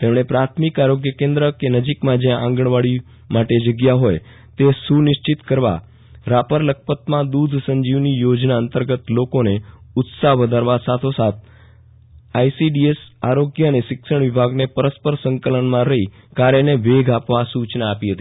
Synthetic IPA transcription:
t̪emɽ̃epɾat̪ʰmikaɾoɡjəkẽnd̪ɾəkenəd͡ʒikmãd͡ʒjãʔã̰ŋɡəɳʋaɭi | maʈed͡ʒəɡjaɦoj | t̪esunɪʃt͡ʃɪt̪kəɾʋa̰ | ɾapəɾlək̚ʰpət̪mãd̪ud̪ʱsəɲd͡ʒiʋnijod͡ʒnaənt̪əɾɡət̪lokoneʊt̪saɦʋəd̪ʱaɾʋasat̪ʰosat̪̚ʰ | ajsiɖiesaɾoɡjəəneʃɪkʃəɳ̃ʋɪbʱaɡnepəɾəspəɾsəŋkələɳmãɾəɦi | kaɾeneʋeɡʱapʋasut͡ʃnaːpiɦət̪i

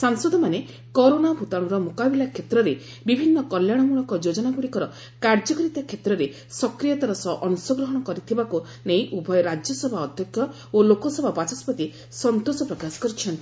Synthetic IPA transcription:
saŋsɔd̪ɔmane | kɔɾonabʱut̪aɽ̃ɔɾɔmukabilakʰet̪ɾɔɾe | bibʱinːɔkɔljaɽ̃ɔmuɭɔŋkɔd͡ʒod͡ʒɔnaɡuɽikɔɾɔ | kaɾd͡ʒɔkɾit̪akʰet̪ɾɔɾe | sɔkɾijat̪aɾɔsɔʔɔnusɔɡɾɔɦɔɽ̃ɔkɔɾit̪ʰibaku | nej̃ʔubʱɔjɔɾad͡ʒjɔsɔbʱaɔd̪ʱjɔkʰːjɔ | olokɔsɔbʱabat͡ʃɔspɔt̪i | sɔnt̪osɔpɾɔkasɔ̥kɔɾit͡ʃʰɔnt̪i

